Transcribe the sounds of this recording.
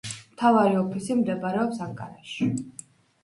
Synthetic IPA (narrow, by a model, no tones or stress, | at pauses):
mt̪ʰavaɾiɔpʰisimd̪ɛbaɾɛɔpsaŋkʼa̰ɾaʃi